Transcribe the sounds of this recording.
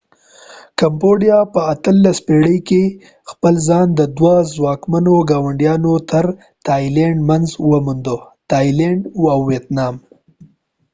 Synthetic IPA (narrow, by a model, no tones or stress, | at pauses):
kamboɖijɑpəat̪əlːaspeɽəjke | xpəlzɑnd̪əd̪wazwɑkmanoɡɑwaɳɖjɑnot̪ʰəɾ | t̪ɑjleɳɖmanzwəmund̪o | t̪ɑjleɳɖawːjet̪nɑm